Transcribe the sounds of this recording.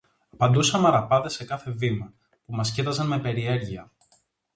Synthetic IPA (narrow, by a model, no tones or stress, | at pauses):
ɐpɐnd̪usɐmɐɾɐpɐðe̞se̞kɐθe̞vimɐ | pumɐscit̪ɐzɐnme̞pe̞ɾie̞ɾʝiɐ